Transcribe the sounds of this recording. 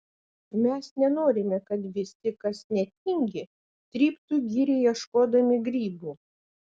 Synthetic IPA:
mʲɛsnʲɛnoːɾʲɪmʲɛkɐt̪ʋʲɪsʲɪkɐsnʲɛt̪ʲɪŋʲɡʲɪ | t̪ʲɾʲiːpt̪uːɡʲiːɾʲɛjɛʃkoːd̪ɐmʲɪɡɾʲiːbuː

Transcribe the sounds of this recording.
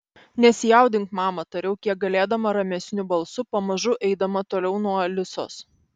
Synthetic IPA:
nʲɛsʲɪjɛˑʊd̪ʲɪŋkmɑːmɐt̪ɐɾʲɛʊkʲiɛk̚ɡɐlʲeːd̪ɐmɐɾɐmʲɛsʲnʲʊbɐlˠsʊpɐmɐʒʊʔɛɪd̪ɐmɐt̪oːlʲɛʊnuɔlʲɪso̰ːs

